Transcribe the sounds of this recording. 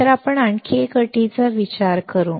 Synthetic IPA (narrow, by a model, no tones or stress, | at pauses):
t̪əɾapəɳaɳkʰekəʈit͡saʋit͡ɕaɾkəɾuː